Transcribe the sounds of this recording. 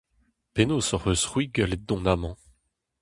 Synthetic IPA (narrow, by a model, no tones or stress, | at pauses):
penosɔʁøsʁwiɡəled̪ɔ̃namɑ̃